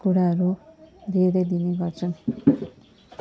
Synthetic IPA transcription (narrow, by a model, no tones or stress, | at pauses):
kuɽaɦʌɾuɾed̪ʌjd̪ineɡʌrt͡sʰʌn